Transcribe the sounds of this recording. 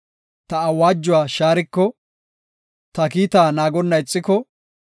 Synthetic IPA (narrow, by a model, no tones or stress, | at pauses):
t̪ɐɐwaːd͡ʒːʊwaːʃaːɾɪkːɔ | t̪ɐkiːt̪aːnaːɡɔnːɐɪt͡sʼːɪkɔ